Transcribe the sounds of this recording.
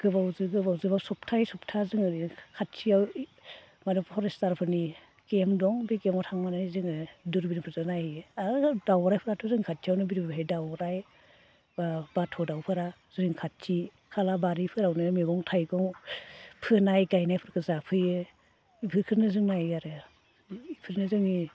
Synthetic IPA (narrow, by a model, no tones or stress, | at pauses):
ɡ̥ɯbawzɯɡɯbawzɯbasɔp̚tʰajsɔp̚tʰazɯŋɯɾikʰat̚t͡ʃijaw | madɯpʰɔɾestaɾpʰɯni | kemdɔŋbikemɔtʰaŋmanajzɯŋɯduɾbinɯpʰɯɾzɯnajadawɾajpʰɯɾatʰɔzɯŋkʰat̚t͡ʃʰijawnɯbiɾbɦejdawɾaj | babatʰɔdawpʰɯɾa | z̥ɯɾiŋkʰat̚t͡ʃʰi | kʰalabaɾipʰɯɾawnɯmeɡɔŋtʰajɡɔŋ | pʰɯnajɡajnajpʰɯɾkʰɯzapʰɯjɯ | ipʰɯɾkʰɯɾnɯzɯŋnajaɾɯ | ipʰɯɾnɯzɯŋi